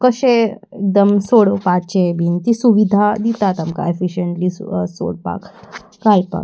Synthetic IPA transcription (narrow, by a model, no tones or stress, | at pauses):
kəɕe | ek̚d̪əmsoɽopat͡ɕebint̪isuʋid̪ʱad̪it̪at̪amka̰efiɕəɳʈliso̰ɽpa̰k | kajpa̰k